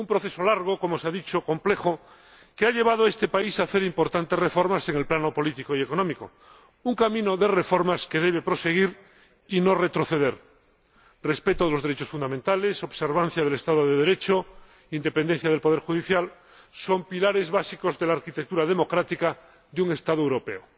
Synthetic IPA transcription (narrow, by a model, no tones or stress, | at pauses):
umpɾoθe̞so̞laɾɣ̞oko̞moseaðit͡ʃoko̞mple̞xo̞ | keaʎe̞β̞að̞oae̞st̪e̞paisaːθe̞ɾimpo̞ɾt̪ant̪ere̞fo̞ɾmase̞ŋe̞lplano̞po̞lit̪ikoiekonõmiko̞̰ | uŋkamĩnoðe̞re̞fo̞ɾmaske̞ðe̞β̞e̞pɾo̞se̞ɣ̞iɾ | ino̞re̞t̪ɾo̞θe̞ðe̞ɾ | re̞spe̞t̪oðelo̞zðeɾe̞t͡ʃosfund̪amẽnt̪ale̞so̞βse̞ɾβ̞an̟θjaðele̞st̪aðoðeðeɾe̞t͡ʃo | ind̪e̞pe̞nd̪en̟θjað̞e̞lpo̞ðeɾxuðiθjal | so̞mpilaɾe̞zβasiko̞zðe̞laːɾkit̪ek̚t̪uɾaðemo̞kɾat̪ika | ðuŋe̞st̪aðoewɾo̞pe̞̰o